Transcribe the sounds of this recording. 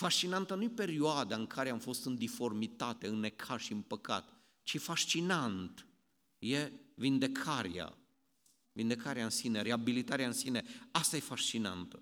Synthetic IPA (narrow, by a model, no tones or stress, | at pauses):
faʃt͡ʃinant̪ənuje̞pe̞ɾioad̪aɨŋkʰaɾeamfo̞st̪ɨnd̪ifo̞rmit̪at̪e̞ɨnːe̞kʰaʃiɨnpəka̰t̪ | t͡ʃifaʃt͡ʃinant̪ | je̞vind̪e̞kʰaɾia̰ | vind̪e̞kaɾeaɨnsine̞ɾeabilit̪aɾeaɨnsine̞ast̪aje̞faʃt͡ʃina̰nt̪ə